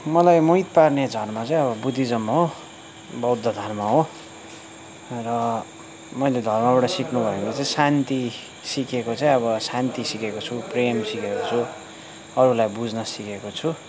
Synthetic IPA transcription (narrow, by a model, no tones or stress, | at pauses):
mʌlajmujt̪parned͡zʱʌrmat͡saĩʌβʌbud̪ʱːid͡zʌmːʌɦo | bʌwd̪ʱːʌd̪ʱʌrmaɦo | rʌ | mʌjled̪ʱʌrmabaʈʌsiknubʱʌeŋkot͡saĩsant̪i | sikekot͡saĩʌβʌsant̪isikekot͡sʰupremsikekot͡sʰu | ʌɾulajbud͡znʌsikekot͡sʰu